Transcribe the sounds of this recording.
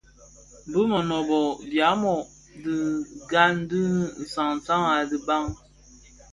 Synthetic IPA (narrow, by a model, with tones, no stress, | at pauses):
m˨bə˦mə˨nɔ˨bɔ˨bja˨˦mɔ˨ | di˨ɡa˦n̩˦dɨ˦n̩˨sa˨ŋn˨sa˦ŋa˨di˨ba˦ŋ